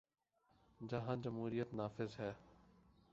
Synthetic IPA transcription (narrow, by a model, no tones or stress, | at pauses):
d͡ʒəɦãːd͡ʒəmɦuːɾijət̪naːfɪzɦɛː